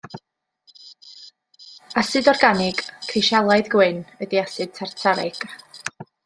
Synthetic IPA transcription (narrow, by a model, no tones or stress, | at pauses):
asɨdɔrɡanɪɡ̥kʰrɪʃalˠajðɡwɪnədiasɨd̥̚tʰartʰaɾɪɡ̥